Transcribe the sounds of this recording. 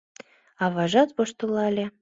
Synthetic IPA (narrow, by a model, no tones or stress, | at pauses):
ɑβɑʒɑt̪βoʃt̪ulˠɑlʲe